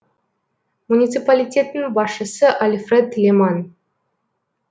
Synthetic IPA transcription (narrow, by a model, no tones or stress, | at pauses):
munʲit̪sɨpalʲit̪ʲet̪ənbɑʃəsəʔalʲfred̪lʲeman